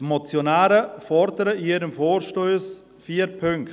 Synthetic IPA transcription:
tmot͡sjonaːɾəfɔɾdəɾəiːəɾəmfoːɾʃtoːs | fiːəɾpʰʏŋkt

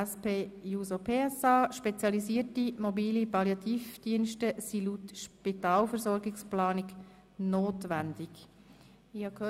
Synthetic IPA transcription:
ɛspeːjuːsopʰeːɛsɑːʃpɛt͡sjɑliziətimɔbiːlipɑljɑt̪iːfd̥iənʃtəsilutʃpitɑːlfəɾzɔɾɡɪksplɑːnik | noːtʋænd̥̪ɪk | ɪhɑkhøː

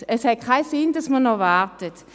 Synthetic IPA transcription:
əshɛt̚kʰaɪsɪnd̥asmənɔvaʁtət

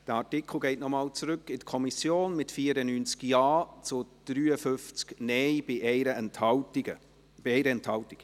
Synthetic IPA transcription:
d̥əɑɹtɪkʰl̩ˠɡɛɪtnɔmɑːlt͡sɾʏkːɪdkʰɔmisjoːnmɪtfiːəɾənynt͡skjɑːt͡sʊd̥ɾyːəfʏnft͡sknɛɪbɪʔɾətɑə | b̥iɛɪɾəɛnthɑltɪk

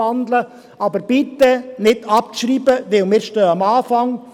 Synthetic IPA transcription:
ɑnd̪lə | ʔɑbəɾb̥ɪt̪ːənɪdɑp̚ʃɾiːbəʋɪlmɪːɾʃtøːɑmɑːfɑŋ

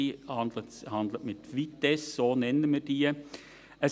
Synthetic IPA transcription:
ihɑndləhɑndlətmɪt̪ʋit̪ɛssoːnɛnəmiːdiː | əs

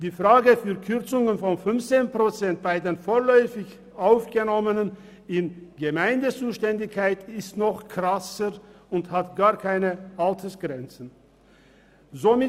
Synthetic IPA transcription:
d̥iːfʁ̥aːɡəfyːɐkʰʏʁt͡sʊŋənfɔnfʏnft͡seːnpʁ̥ot͡sɛnt̚b̥aɪdeːnfoːɐlœʏfɪç | ʔaʊfɡ̥ənɔmənən | ɪnɡəmaɪndət͡suːʃtɛndɪçkʰaɪtɪstnɔχkʁasəʁʊnthatɡ̥aːɐkʰaɪnəʔaltʰəsɡ̥ʁɛnt͡sn̩ | zomɪ

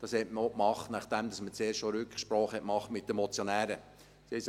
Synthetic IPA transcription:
d̥ɑshɛtməokmɑχt̪næχtd̥̪æmd̪ɑsmət͡seːrʃʃoɾʉkʃpɾɔːχhɛtmɑχtmɪt̪̚dəmɔt͡sjonæːɾə | sɛs

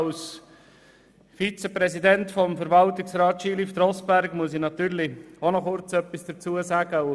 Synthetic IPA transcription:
ls | fit͡səpɾɛsidɛntfɔmfəɾʋɑlt̪ɪksɾɑːt̪ʃiːlifd̪ɾɔsbæɾɡmuəsinɑt̪yːɾlionɔχʊɾt͡sœpːisd̥ət͡suːəsæːɡ̥əʊ

